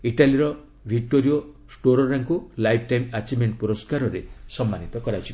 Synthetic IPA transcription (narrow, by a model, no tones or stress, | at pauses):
iʈaliɾɔ | bʱik̚ʈoɾio | sʈoɾɔɾaŋkulajpʰʈajmat͡ʃimeɳʈ̚puɾɔskaɾɔɾesɔmːanit̪ɔkɔɾat͡ʃʰi